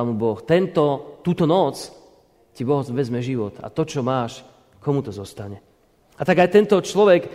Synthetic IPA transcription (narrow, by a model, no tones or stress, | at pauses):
mubɔxt̪ɛnt̪ɔt̪uːt̪ɔnɔt͡s | cibɔɦɔʋɛzmɛʒiʋɔt̪a̰t̪ɔt͡ʃɔmaːʃ | kɔmut̪ɔzɔst̪aɲɛ | at̪aɡajt̪ɛnt̪ɔt͡ʃlɔʋɛk